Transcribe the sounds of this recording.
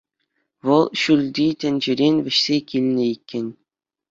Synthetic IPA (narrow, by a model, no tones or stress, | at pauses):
ʋɤ̆lˠɕylʲd̪ʲit̪ʲɘ̆nʲd͡ʑɘ̆ɾʲenʲʋʲɘ̆ɕsʲekʲilʲnʲɘ̆ikʲːɘ̆nʲ